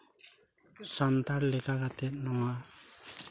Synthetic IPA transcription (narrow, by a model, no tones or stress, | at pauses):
sant̪aɾlɛkakat̪ɛt̪̚nɔŋa